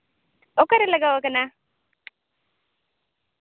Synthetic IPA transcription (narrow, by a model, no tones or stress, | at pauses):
okaɾelaɡawakana